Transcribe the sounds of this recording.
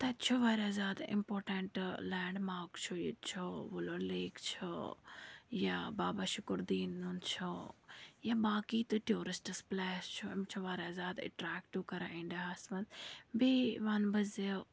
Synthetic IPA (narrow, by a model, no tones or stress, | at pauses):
t̪ɐt͡ʃʰuʋaːɾaːzaːd̪ɪ̰̃mpoːɾʈeɳʈlɛ̃ːɳɖmaːkt͡ʃʰujet͡ʃʰoʋoloːleːkt͡ʃʰo̰ | jabaːbaʃʊkɾd̪iːnːunt͡ʃʰo | jabaːkiːt̪ɨʈjoːɾɪsʈəsplɛːst͡ʃʰumt͡ʃʰoʋaːɾaːzaːd̪ə̰ʈɾaːkʈiʋkɐɾaĩːɳɖaɦasmɐnt̪biʋaːnbɐze